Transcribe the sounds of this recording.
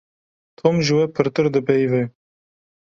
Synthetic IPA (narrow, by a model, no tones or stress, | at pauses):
t̪ʰomʒɨwɛpʰɨɾt̪ɨɾd̪ɨpɛjvɛ